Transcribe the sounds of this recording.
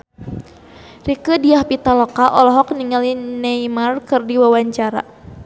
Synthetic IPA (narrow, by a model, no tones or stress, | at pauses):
rikədiahpit̪alɔkaʔɔlɔɦɔkniŋalinejmarkɨrdiwawaɲt͡ʃaɾa̰